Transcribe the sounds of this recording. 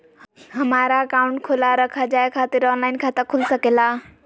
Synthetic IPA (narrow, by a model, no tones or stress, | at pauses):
ɦɐmaːɾakaːʊ̃ɳʈkʰolaɾəkʰad͡ʒaːekʰat̪eɾɔːnlaɪnkʰat̪əkʰʊlsəkela